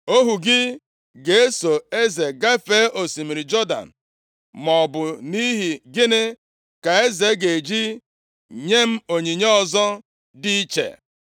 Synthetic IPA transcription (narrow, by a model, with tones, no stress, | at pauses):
o˦ɦu˨ɡɪ˦ | ɡe˨e˦so˨e˦ze˨ɡa˦fe˦ʔo˨si˨mi˨ɾi˨d͡ʒɔ˦da̰˨n̩˨ | mɔ˨bʊ˨ni˦ɦi˨ɡɪ˦nɪ˦ | ka˨e˦ze˨˦ɡe˨d͡ʒi˦ | ɲe˦m̩˦o˨ɲe˨ɲe˦ɔ˦zɔ˦ | di˦i˦t͡ʃḛ˨